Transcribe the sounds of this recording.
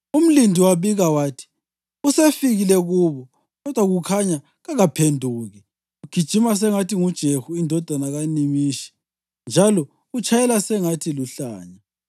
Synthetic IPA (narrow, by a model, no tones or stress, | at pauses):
um̩lindʱiwaβiɣawaːtʰi̥ | usefiɣilɛɣuβɔ | ɣɔd̥ʱwaɣukʰaɲa | ɣaɣapʰendʱuːɣɛ | uɡ̥ʱid̥ʒ̥ʱimas̬ɛŋatʰiŋud̥ʒ̥ʱehuindʱɔd̥ʱanaɣanimiːʃɛ̥ | nd͡ʒʱalɔ | ut͡ʃʼʰajɛlasɛŋatʰiluɬaːɲa